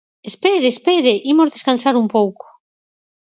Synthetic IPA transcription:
espeðespeðeʔimozðeskansaɾumpowko̥

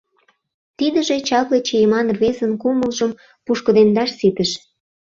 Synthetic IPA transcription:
t̪id̪əʒet͡ɕɑβlet͡ɕejemɑnrβezənkuməlʒəm | puʃkə̆d̪end̪ɑʃsit̪əʃ

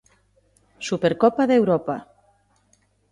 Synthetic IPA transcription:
supeɾkɔpaðewɾɔpa

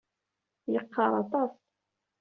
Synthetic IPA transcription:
jəqːɑɾˤɑt̪ˤɑs

